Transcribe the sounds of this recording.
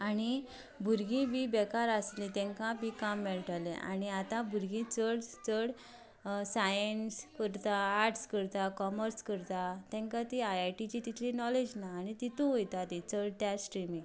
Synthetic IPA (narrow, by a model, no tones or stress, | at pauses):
aɽ̃i | bʱuɾɡĩbibɛkaɾaslit̪ɛ̃ŋkãbikamːɛɭʈaleʔa̰ñiat̪ãbʱuɾɡĩt͡səɽt͡səɽ | sajənskəɾt̪aːɾʈskəɾt̪akɔməɾskəɾt̪at̪ɛ̃ŋkãt̪iajʈit͡ɕit̪it̪ʰlinɔled͡ʑnaːñit̪it̪ũɦojt̪at̪it͡səɽt̪jasʈɾimĩ